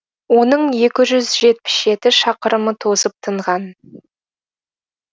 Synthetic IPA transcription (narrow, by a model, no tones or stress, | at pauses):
wo̞nəɴje̞kʲɪʒʏzʒe̞t̪̚pɪ̥sʒe̞t̪ɪʃɑqəɾəmət̪ʰo̞səp̚t̪ʰəɴʁɑn